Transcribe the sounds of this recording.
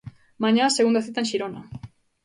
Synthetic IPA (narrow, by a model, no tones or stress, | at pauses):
mãɲãseɣund̪aθit̪aẽnʃiɾona